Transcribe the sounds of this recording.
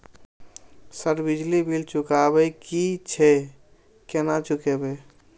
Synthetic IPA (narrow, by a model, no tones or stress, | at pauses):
səɾbid͡ʒlibʱilt͡ʃukabɛkit͡ʃʰɛ | kenat͡ʃukebe